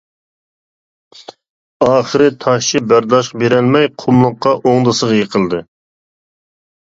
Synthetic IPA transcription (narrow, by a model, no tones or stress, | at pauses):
ɑːχəɾɨt̪ʰɑʃt͡ʃʰɪbæɾd̪ɑʃqɑbeɾɛlmɛjqʰʊmlˠəqːɑʔoŋd̪ɨsəʁjeqʰəlˠd̪ɨ